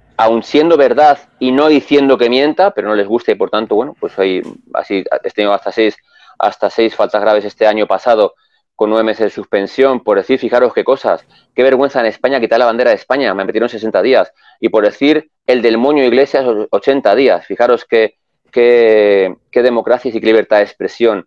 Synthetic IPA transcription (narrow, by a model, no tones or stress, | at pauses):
awnsje̞nd̪o̞β̞e̞ɾðaθ | ino̞ðiθje̞nd̪o̞ke̞mjẽ̞nt̪apeɾo̞no̞le̞zɣust̪aipo̞ɾt̪ant̪o̞βwe̞nopwe̞saja̰sḭest̪enioast̪ase̞js | a̰st̪ase̞jsfalt̪azɣ̞ɾaβ̞e̞se̞st̪e̞aɲopasað̞o̞ | ko̞nːwe̞βeme̞se̞zðesuspẽ̞nsjo̞mpoɾðe̞θiɾfixaɾo̞ske̞ko̞sa̰s | ke̞β̞e̞ɾɣwe̞n̟θaene̞spaɲakit̪aɾlaβand̪e̞ɾaðe̞spaɲamemet̪jeo̞nse̞se̞nt̪að̞ias | ipo̞ɾðe̞θiɾ | e̞ld̪e̞lmõ̞ɲoiɣle̞sjasot͡ʃe̞nt̪að̞iasfixaɾo̞ske̞ | ke | ke̞ðe̞mo̞kɾaθjasikeliβeɾt̪aðespɾe̞sjo̞n